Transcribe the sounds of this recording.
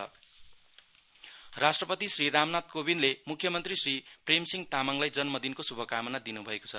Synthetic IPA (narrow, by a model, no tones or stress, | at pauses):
rasʈrʌpʌt̪isriɾamnat̪̚kobinlemukʰjʌmʌnt̪risripremsiŋt̪amaŋlajd͡zʌnmʌd̪inkosubʱʌkamʌnad̪inubʱʌeko̥t͡sʰʌ